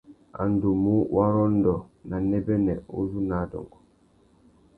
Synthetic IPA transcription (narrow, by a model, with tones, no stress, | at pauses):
a̰˨n˨do˨mu˦wʔa˦ɾɔ˦n˦dɔ˨na˨nɛ˦bɛ˦nɛ˨o̰˦zu˦na˨˦dɔ̰˨ŋɡɔ˨